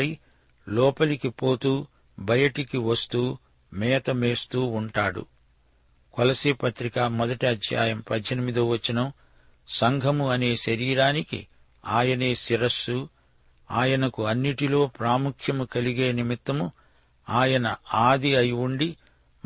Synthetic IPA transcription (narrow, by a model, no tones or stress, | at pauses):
ɐj | lɔːpɐlikipoːt̪uː | bʱɐjɐʈikiʋɐst̪uː | mɛːt̪ɐmeːst̪uːuɳʈaːɽṵ | kɔlɐsiːpɐt̪ɾikaːmɔd̪ɐʈiɐd̪ja̰ːjɐmpɐd̪ʱjɐnimid̪oːʋɐt͡ʃːinɐm | sɐŋɡʱɐmuɐne̞ːʃɐɾiːɾaːnikḭ | aːjɐne̞ːsiɾɐsːu | aːjɐnɐkuɐnːiʈilo̞ːpɾaːmukʰjɐmukɐliɡe̞ːnimit̪ːɐmu | aːjɐnɐaːd̪iɐjʋuɳɖi